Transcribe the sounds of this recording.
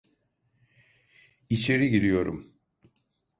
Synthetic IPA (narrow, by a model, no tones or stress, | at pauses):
it͡ʃʰeɾiɟid̪ijo̞ɾṵm